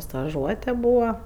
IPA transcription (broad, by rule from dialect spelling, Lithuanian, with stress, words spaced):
stɐˈʒuɔtʲɛ ˈbuːʋɐ